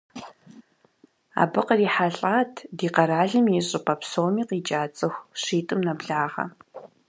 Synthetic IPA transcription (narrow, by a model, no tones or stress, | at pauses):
a̰ːbɨqəriːħaɬʼaːtʰdiːqɐɾaːɮɨmiɕʼɪpʰʼɐpsoːwmiːqiːt͡ʃʼaːt͡sʼɨxʷʂiːtʼɨmnɐbɮaːʁɐ̰